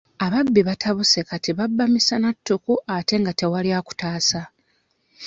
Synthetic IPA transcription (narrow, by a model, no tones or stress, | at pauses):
aβabːiβatʰaβusekatiβabːamisanatːukuʔate̞ŋɡate̞waljaku̥taːsa